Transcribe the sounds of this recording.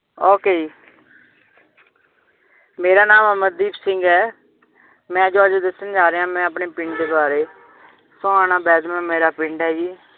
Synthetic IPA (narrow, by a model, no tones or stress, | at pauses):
oːkeːd͡ʒiː | meːɾaːnaːmɛːməd̪iːpsɪŋɡɛː | mɛ̃ːd͡ʒoːəd͡ʒd̪əsːənd͡ʒaːɾeːɦãːmɛ̃ːəpɳeːpɪɳɖd̪eːbaːɾeː | sõːãːnãːbɛːd̪mɛ̃ːmeːɾaːpɪɳɖɦɛːd͡ʒiː